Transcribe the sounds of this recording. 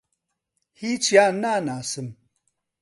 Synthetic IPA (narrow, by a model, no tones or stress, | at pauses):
hiːt͡ʃjaːnaːnaːsɨm